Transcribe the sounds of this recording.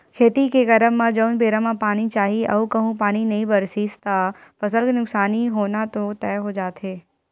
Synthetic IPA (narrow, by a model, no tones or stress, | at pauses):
kʰeːt̪ikeɡɐɾəmːãd͡ʒəʊnbeːɾamãpaːnit͡ʃaːɦiɐ̰ukɐɦũpaːninɐɦĩbɐɾsiːst̪apɐsəlkenʊksaːniɦoːnat̪ot̪ɛːɦod͡ʒaːt̪ɦeː